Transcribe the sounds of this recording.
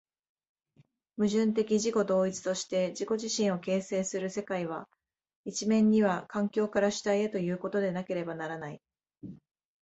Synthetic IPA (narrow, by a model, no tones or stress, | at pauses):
mɯ̟ʑɨ̃nt̪̬e̞kʲiʑiko̞d̪o̞ːit͡sɨ̥t̪o̞ɕi̥t̪e̞d͡ʑiko̞ʑiɕĩɰ̃o̞ke̞ːse̞ːsɨɾɯ̟se̞kaiβ̞a | it͡ɕimẽ̞ɲ̟ːiβ̞akãŋkʲo̞ːkaɾaɕi̥t̪aiet̪o̞jɯ̟ːko̞t̪o̞d̪e̞nake̞ɾe̞banaɾanai